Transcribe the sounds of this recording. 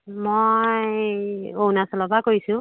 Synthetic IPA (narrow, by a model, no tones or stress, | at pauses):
mojj | ownasɔlɔbakojsʊ̃